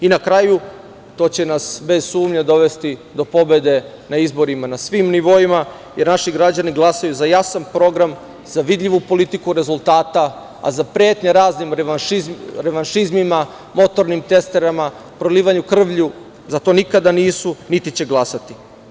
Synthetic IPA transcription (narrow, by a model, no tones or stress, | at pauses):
inakɾaju | t̪o̞ːt͡ɕe̞nasbe̞zsuːmɲad̪o̞ʋe̞st̪id̪o̞po̞be̞d̪e̞ | naizbo̞ɾimanasʋimniʋo̞ima | jeɾnaʃiɡɾad͡ʑaniɡlˠasajuzajasanpɾo̞ɡɾam | z̥aʋid̪ʎʲiʋupo̞lit̪ikuɾe̞zulˠt̪aːt̪a | a̰zapɾjeːt̪ɲaɾaːznimiɾeʋanʃizmima | mo̞t̪o̞ɾnimt̪e̞st̪eɾama | pɾoliːʋaɲukr̩ʋʎu | zat̪o̞ːnikad̪aniːsunit̪it͡ɕe̞ɡlˠasat̪i̥